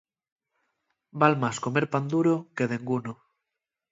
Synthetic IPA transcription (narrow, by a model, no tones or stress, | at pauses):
balmaskomeɾpand̪uɾokeð̞eŋɡuno